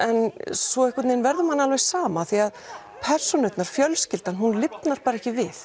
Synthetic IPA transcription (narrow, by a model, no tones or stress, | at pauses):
ɛnsvɔɪhkat̪neːjnvɛɾðʏmhanːalvejssaːmaθiað | pʰɛr̥sɔnʏpnaɾ̥fjœlscɪlt̪anɦunlɪpnaɾ̥paːɾaɛhcɪvɪθ